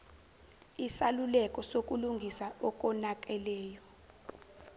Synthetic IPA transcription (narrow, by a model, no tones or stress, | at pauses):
isalulɛkʼɔsok̬ʼuluŋɡʱisaɔk̬ʼɔnak̬ʼɛlɛːjɔ